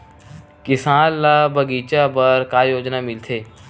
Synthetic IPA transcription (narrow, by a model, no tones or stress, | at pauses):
kɪsaːnlaːbʱəɡiːt͡ʃabəɾkaːjoːd͡ʒnamɪlt̪ʰeː